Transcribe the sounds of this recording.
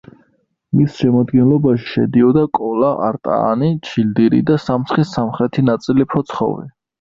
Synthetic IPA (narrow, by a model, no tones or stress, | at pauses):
misʃɛmad̪ɡɛnlɔbaʃi̥ʃɛ̰d̪iɔd̪akʼɔlaʔa̰ɾt̪ʼa̰ːnit͡ʃʰild̪iɾḭd̪asamsχisamχɾɛt̪ʰinat̪sʼilipʰɔt̪sʰχɔ̰vḭ